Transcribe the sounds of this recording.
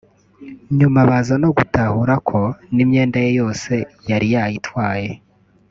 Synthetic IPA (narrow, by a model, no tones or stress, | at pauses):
ɲumaβazano̞ɡutahuɾakʰo̞nimɲe̞ːndaje̞jo̞ːse̞jaɾijajitwaːje̞